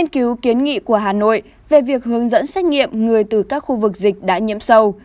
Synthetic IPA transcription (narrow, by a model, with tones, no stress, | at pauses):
nki˨˦wki˨˦ənŋḭ˧˨ku˧˩əɦaː˨˩no̰˧˨j | ve˨˩vi˨˩ək̚ɦɨ˨˦əŋzə̰˧˥nsa˦˥jk̟̚ŋḭ˧˨əmŋɨ˨˩əjt̪ɨ˨˩kaː˦˥k̚xu˧vɨ˨˩k̚zï˨˩k̟̚ɗa̰ː˧˥ɲḭ˧˨əmsə˧w